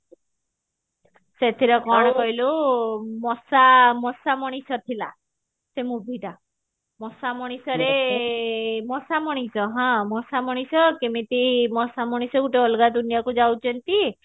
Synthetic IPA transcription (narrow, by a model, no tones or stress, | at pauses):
set̪ʰiɾɔkɔɽ̃ɔkɔɦilu | mɔsamɔsamɔɽ̃isɔt̪ʰila̰ | semubʱita | mɔsamɔɽ̃isɔɾe | mɔsamɔɽ̃isɔɦãmɔsamɔɽ̃isɔkemit̪imɔsamɔɽ̃isɔɡuʈeɔlɡad̪unijakud͡ʒawt͡ʃɔnt̪i